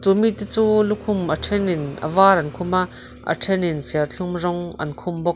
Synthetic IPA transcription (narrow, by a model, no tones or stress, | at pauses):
t͡sumit̪it͡suːlukʰumʔəʈ͡ʂʰɛninʔə̰vaːɾɐnkʰumaʔ | ʔə̰ʈʰɛninsɛrɬʰumzɔŋʔɐ̰nkʰumbɔk̚